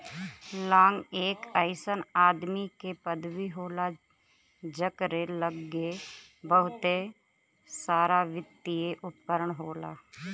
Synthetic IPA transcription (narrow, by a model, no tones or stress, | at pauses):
lãːŋɡeːkəɪsənaːd̪mikepəd̪ʋiɦoːla | d͡ʒəkɾeləɡːebəɦʊt̪e | saːɾaʋɪt̪ːieʔʊpkəɾəɳɦoːla̰ː